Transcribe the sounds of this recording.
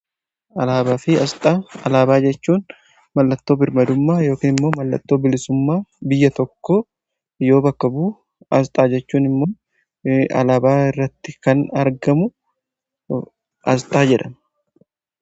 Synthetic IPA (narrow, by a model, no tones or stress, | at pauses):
ɐlaːbaːfɪɐst̪ʼaːɐlaːbaːd͡ʒɛt͡ʃːuːn | mɐlːɐt̪ːo̞ːbɪɾmɐd̪ʊmːaːjo̞ːkiːnɪmːo̞ːmɐlːɐ̰t̪ːo̞ːbɪlɪsʊmːaːbɪjːɐt̪ɔkːoː | jo̞ːbɐkːɐbuː | ɐst̪ʼaːd͡ʒɛt͡ʃːuːnɪmːo̞ː | ɐ̰laːbaːɪrːɐt̪ːɪkɐnɐɾɡɐmʊ | ʔɐst̪ʼaːd͡ʒɛᶑɐn